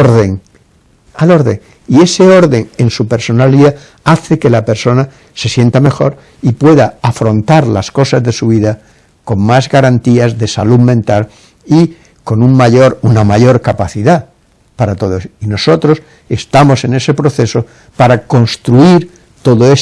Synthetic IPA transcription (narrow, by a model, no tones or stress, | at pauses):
ɾðeŋ | alo̞ɾðḛŋ | ie̞se̞o̞ɾðe̞ŋe̞nsupe̞ɾso̞naliða | aθe̞ke̞lape̞ɾso̞na | se̞sje̞nt̪ame̞xo̞ɾ | ipwe̞ðaːfɾo̞nt̪aɾlasko̞sazðe̞suβ̞iða | ko̞ŋmazɣaɾant̪iazðe̞sa̰luðmẽ̞nt̪al | i | ko̞nuŋmaʝoɾunamaʝo̞ɾkapaθiða | paɾat̪o̞ð̞oeino̞so̞t̪ɾos | e̞st̪amo̞se̞ne̞se̞pɾo̞θe̞so | paɾako̞nst̪ɾuiɾ | t̪o̞ðoe